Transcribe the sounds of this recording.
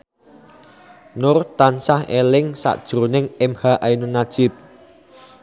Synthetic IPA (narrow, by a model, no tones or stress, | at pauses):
nʊrt̪ansahelɪŋsa̰ʔd̥ʒ̥ɾunɪŋɪmhaʔajnunad̥ʒ̥ɪp̚